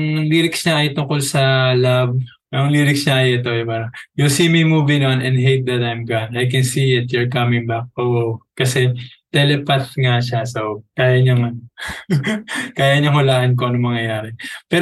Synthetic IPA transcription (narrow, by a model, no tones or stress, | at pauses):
ŋliɾɪksɲɐʔɐjot̪ʊŋko̞lsɐlab | ɐŋliːɾɪksɲɐʔɐjoʔɪt̪o̞ɛpaːɾɐŋjosimijmuːvinnɛ̃nd̪ɦejt̪̚d̪ɐt̪ajmɡanajkɛnsiːɪt̪̚jɔɹkɐmɪ̃ŋbak̚ʔoʔokɐsɛt̪ɛlɛpɐt̪̚ŋaʃasokaːjɐɲoŋɐno | kaːjɐɲoŋhʊlaːʔɐnk̬oʔɐnɐŋmɐŋjɐjaːɾɛpɛː